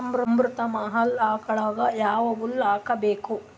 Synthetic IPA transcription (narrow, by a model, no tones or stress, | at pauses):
ɐmɾɐmbɾut̪ɐmaɦɐlaːkɐɭaːɡɐjaːʋɐʋulːaːkɐbeːku